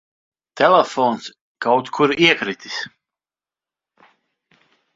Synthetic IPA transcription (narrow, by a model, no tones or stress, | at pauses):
t̪ɛlɛfɔns | kawt̪kʰuɾiɛkɾit̪ʲi̥s